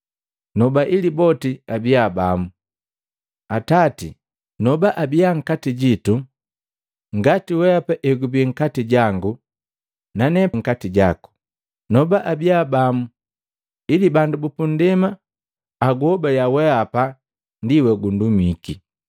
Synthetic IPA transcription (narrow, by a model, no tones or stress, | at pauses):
nɔbaʔilibɔtiabiabamu | atatḭ | nɔbaʔabiaŋ̩katiɟitu | ŋɡatiwɛapaʔɛɡubiŋ̩katiɟaŋɡu | nanɛŋ̩katiɟaku̥ | nɔbaʔabiabamu | ilibandubupundɛmaː | ɡuhɔbaljawɛapa | ndiwɛɡundumiki